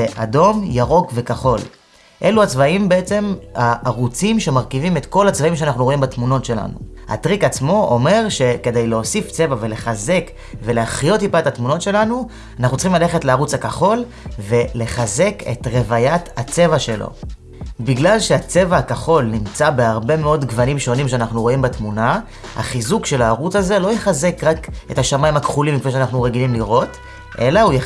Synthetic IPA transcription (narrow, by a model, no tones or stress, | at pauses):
eʔa̰do̞mjaʁo̞kve̞kaχo̞l | ʔe̞luat͡svaimbeet͡se̞maːʁut͡simʃe̞maʁkivimet̪ko̞lhat͡svaimʃeanaχnuʁoimbatmuno̞tʃe̞la̰nṵ | ha̰t̪ʁikat͡smo̞ʔome̞ʁʃe̞ke̞dejleo̞sift͡se̞vave̞le̞χaze̞k | ve̞leaχjo̞t̬ipaethatmuno̞tʃe̞lanu | anaχnut͡ssi̥χimlale̞χetleaʁut͡shakaχo̞l | ve̞le̞χaze̞ke̞̰tʁe̞vajathat͡se̞vaʃe̞lo̰ | biɡlalʃe̞at͡se̞vahakaχo̞lnimt͡sabe̞aʁbe̞me̞o̞dɡvanimʃo̞nimʃeanaχnuʁo̞imbatmuna | ha̰χizukʃe̞laːʁut͡saze̞lo̞jeχaze̞kʁake̞taʃamajimhakχulimːikveʃeanaχnuʁe̞ɡilimliʁo̞t | ʔe̞̰lauje